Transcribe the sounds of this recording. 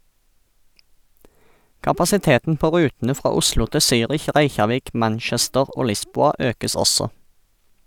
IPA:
kɑpɑsɪˈteːtn̩ ˈpoː ˈʁʉːtn̩ə ˈfʁɑː ˈʊslʊ ˈtɪ ˈsyːʁɪç ˈʁæɪçɑˌʋiːk ˈmænˌʃɛstəʁ ˈoː ˈlɪˌsbuːɑ ˈøːkəs ˈɔsɔ

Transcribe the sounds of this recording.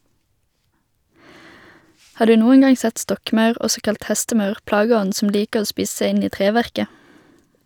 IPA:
ˈhɑː ˈdʉː ˈnuːən ˈɡɑŋ ˈsɛt ˈstɔkˌmɑʉʁ ˈʔɔsɔ ˈkɑlt ˈhɛstəˌmɑʉʁ ˈplɑːɡəˌɔn̩ sm̩ ˈliːkəʁ ˈoː ˈspiːs ˈsæɪ ˈɪn ˈiː ˈtʁeːˌʋæʁkə

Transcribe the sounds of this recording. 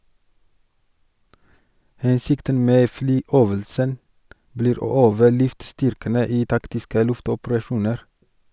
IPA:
ˈhɛnsɪktən ˈmeː ˈflyːˌøːʋəlsən ˈbliːɾ ˈoː ˈøːʋə ˈlʉftˌstʏɾkənə ˈiː ˈtɑktɪskə ˈlʉftɔpɾɑˌʃuːnəɾ

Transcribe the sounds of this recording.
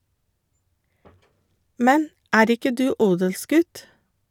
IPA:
ˈmɛn ˈæːɾ ˈɪkə ˈdʉː ˈuːdəlˌsɡʉt

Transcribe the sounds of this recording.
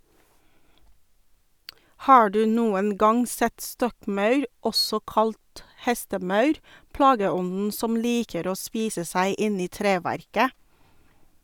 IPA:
ˈhɑː ˈdʉː ˈnuːən ˈɡɑŋ ˈsɛt ˈstɔkˌmɑʉɾ ˈɔsɔ ˈkɑlt ˈhɛstəˌmɑʉɾ ˈplɑːɡəˌɔnn̩ ˈsɔm ˈliːkəɾ ˈoː ˈspiːsə ˈsæɪ ˈɪn ˈiː ˈtɾeːˌʋæɾkə

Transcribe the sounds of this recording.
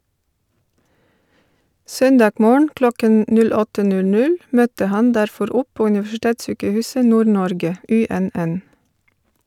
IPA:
ˈsœnˌdɑːɡ ˈmoːɳ̩ ˈklɔkən ˈnʉl ˈɔtə ˈnʉl ˈnʉl ˈmœtə ˈhɑn ˈdæɾˌfɔɾ ˈɔp ˈpoː ʉnɪʋæʃɪˈteːtˌsyːkəˌhʉːsə ˈnuːɾˌnɔɾɡə ˈʔʉˌɛnˌʔɛn

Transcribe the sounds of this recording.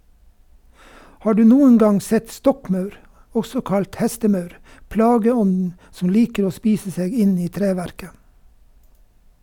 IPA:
ˈhɑː ˈɖʉː ˈnuːən ˈɡɑŋ ˈsɛt ˈstɔkˌmɑʉɾ ˈɔsɔ ˈkɑlt ˈhɛstəˌmɑʉɾ ˈplɑːɡəˌɔndn̩ sm̩ ˈliːkəɾ ˈoː ˈspiːsə ˈseːɡ ˈɪn ˈiː ˈtɾeːˌʋæɾkə

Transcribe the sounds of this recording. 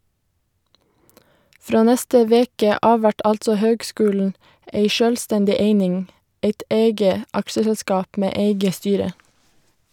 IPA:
ˈfɾoː ˈnɛstə ˈʋeːkə ˈɑː ˈʋæʈ ˈʔɑltsɔ ˈhøːɡˌskʉːln̩ ə ˈeɪ ˈʃøːlˌstɛndɪ ˈeɪnɪŋ ˈeɪt ˈeɪɡə ˈɑkʃəsɛlˌskɑːp ˈmeː ˈeɪɡə ˈstyːɾə

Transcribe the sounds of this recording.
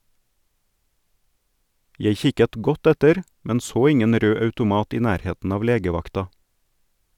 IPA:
ˈjeɪ ˈçɪkət ˈɡɔt ˈɛtəɾ ˈmɛn ˈsoː ˈɪŋən ˈɾøː ɑʉtʊˈmɑːt ˈiː ˈnæːɾˌheːtn̩ ˈɑːʋ ˈleːɡəˌʋɑktɑ

